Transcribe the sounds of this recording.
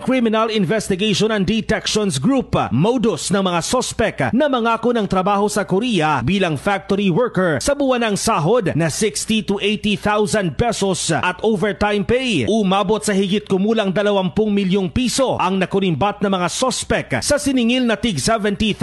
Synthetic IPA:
kɾimɪnɐlɪnvɛst̪ɪɡejʃonɐn̚d̪it̪ɛkʃɔnsɡɾupmowd̪osnɐŋmɐŋasospɛknɐmɐŋaːkonɐŋt̪ɾɐbaːho̞sɐkoɾijɐbiːlɐŋfak̚t̪oɾiwɛɹkɛɹsɐbʊwɐnɐŋsaːɦod̪̚nɐsɪkst̪it̪uʔejt̪iθawsɐnd̪̚pɛsosʔɐt̪ʔovɛɹt̪ajmpejʔʊmaːbot̪̚sɐhɪɡɪt̪̚kʊmuːlɐŋd̪ɐlɐwɐmpʊŋmɪljoŋpiːso̞ʔɐŋnɐkʊɾɪmbat̪̚nɐmɐŋasospɛksɐsɪnɪŋilnɐt̪ɪɡsɛvɛnt̪i

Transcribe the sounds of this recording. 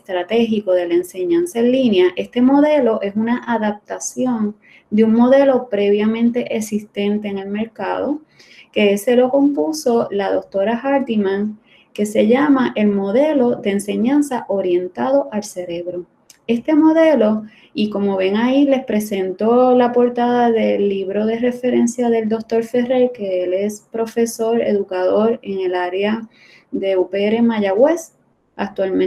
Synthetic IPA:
est̪ɾat̪e̞ɦiko̞ðe̞laense̞ɲãnsaẽnlinjaʔe̞st̪e̞mo̞ðe̞lo̞ʔe̞sunaʔaðap̚t̪asjo̞n | d̪euŋmo̞ðe̞lo̞pɾe̞βjamẽnt̪e̞ʔesist̪e̞nt̪e̞ːŋe̞lme̞ɾka̰ðo̞̰ | ke̞se̞lo̞ko̞mpuso̞laðo̞k̚t̪o̞ɾahaɾt̪imãŋ | ke̞se̞ʝamaʔe̞lmo̞ðe̞lo̞ðe̞ːnse̞ɲãnsaʔoɾje̞nt̪aðo̞ʔalse̞ɾe̞βɾo̞ | e̞st̪e̞mo̞ðe̞lo̞ | iko̞mo̞βe̞ŋaile̞spɾe̞se̞nt̪o̞lapo̞ɾt̪aðaðe̞lːiβɾo̞ðe̞re̞fe̞ɾe̞nsjaðe̞ld̪o̞k̚t̪o̞ɾfe̞re̞ɾke̞ele̞spɾo̞fe̞so̞ɾe̞̰ðukaðo̞ɾe̞ŋe̞laɾea | d̪e̞upeeɾe̞maʝawe̞s | a̰k̚t̪walm

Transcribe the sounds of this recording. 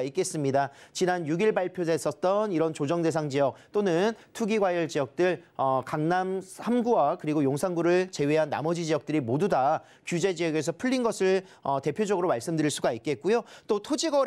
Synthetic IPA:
ik͈e̞s͈ɯmɲidat͡ɕinanjuɡiɭbaɭpʰjosʰe̞s͈ʌt̚t͈ʌniɾʌnt͡ɕod͡ʑʌŋde̞s̬ʰaŋd͡ʑijʌk̚t͈onɯntʰuɡiɡwajʌɭd͡ʑijʌk̚t͈ɯɭʌkaŋnamʰamɡuakɯɾiɡojoŋsʰaŋɡuɾɯɭt͡ɕe̞weɦanːa̰mʌd͡ʑid͡ʑiʌk̚t͈ɯɾimoduda | kjud͡ʑe̞d͡ʑijʌɡe̞s̬ʰʌpʰuʎːinɡʌsʰɯɭ | ʌte̞pʰjod͡ʑʌɡɯɾomaɭs͈ɯmdɯɾiɭs͈uɡait̚k͈e̞t̚k͈ujot͈otʰod͡ʑiɡʌ

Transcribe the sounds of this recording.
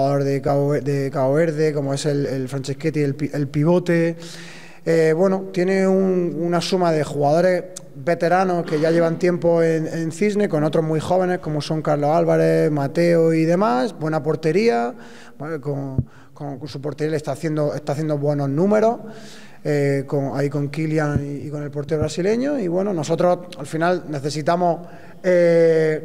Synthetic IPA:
aðoɾðekaed̪ekaoβe̞ɾðe̞ko̞moe̞se̞lelfɾant͡ʃehket̪ielpiʔelpiβ̞o̞t̪e̞ | eβwe̞not̪je̞ne̞ununasumaðe̞xuɣaðo̞ɾe̞s | βe̞t̪e̞ɾano̞hke̞ʝaʝe̞β̞ant̪je̞mpo̞enenθizne̞ko̞no̞t̪ɾo̞ɦmijxo̞β̞e̞ne̞hko̞mo̞sõ̞ŋkaɾlo̞salβaɾe̞mat̪e̞oiðe̞masbwe̞napo̞ɾt̪e̞ɾia | ko | koŋkonsupo̞ɾt̪eɾijalest̪aθje̞nd̪o̞e̞st̪aθje̞nd̪oβwe̞no̞znũme̞ɾo̞h | ekoŋa̰iko̞ŋkiljaŋiiko̞ne̞lpo̞ɾt̪e̞oβɾasile̞ɲoiβwe̞no̞no̞s̬o̞t̪ɾo̞salfinalne̞θe̞sit̪amo̞ | e

